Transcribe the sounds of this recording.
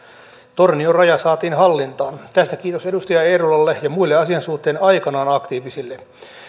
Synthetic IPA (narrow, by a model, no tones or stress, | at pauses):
t̪orniorɑjɑsɑːt̪iːnɦɑlːint̪ɑːnt̪æst̪ækiːt̪osedust̪ɑjɑeːɾulɑlːejɑmuilːeɑsiɑnsuht̪ːˑeːnɑjkɑnɑːnɑkt̪iːʋisilːe